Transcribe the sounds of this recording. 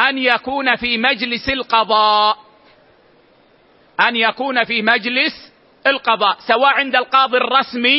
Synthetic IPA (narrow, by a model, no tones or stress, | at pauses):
ʔanjakuːnafiːmad͡ʒlɪsɪlqɑðˤɑː | ʔanjakuːnafiːmad͡ʒlɪs | ʔɪlqɑðˤɑːʔsawaːʔʕɪnd̪alqɑːðˤirˤːɑsmi